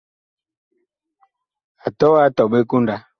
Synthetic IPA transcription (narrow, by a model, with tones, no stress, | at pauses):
a˨tɔ˦a˦tɔ˨ɓe˦ku˦nda˨